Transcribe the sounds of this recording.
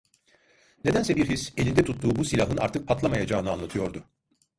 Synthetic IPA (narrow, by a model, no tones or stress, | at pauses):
ne̞d̪ænsɛbiɾɦise̞lʲind̪ɛt̪ʰut̪ːuːbusilʲaɦɯna̰ɾt̪ɯk̚pʰat̪lˠamajad͡ʒaːnɯanlˠat̪ʰɯjo̞ɾd̪ʊ